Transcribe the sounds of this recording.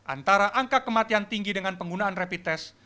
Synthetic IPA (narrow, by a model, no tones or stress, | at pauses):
ʔa̰nt̪aɾaʔaŋkakəmat̪iant̪iŋɡidəŋanpəŋɡunaanrepit̪ɛs